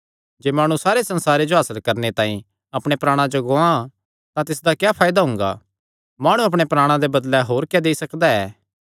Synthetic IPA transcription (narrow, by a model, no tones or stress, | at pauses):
d͡ʒeːmaːɽ̃ũsaːɾesɐ̃nsaːɾed͡ʒoɦaːsəlkɐɾnet̪ãːĩ | ɐpɽ̃epɾaːɽ̃ãd͡ʒoɡoã | t̪ãt̪ɪsd̪akjaːpʰaːjd̪aɦʊ̃ːŋɡa̰ | maːɽ̃ũɐp̬ɽ̃epɾaːɽ̃ãd̪ebɐd̪lɛɦoːɾkjad̪eisɐkd̪aɛ̰ː